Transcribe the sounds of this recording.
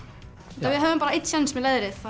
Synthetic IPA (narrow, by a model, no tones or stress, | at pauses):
t̪avɪðɦœvʏmpaːɾaejt̪sɛnsmɛðleːðɾɪθθa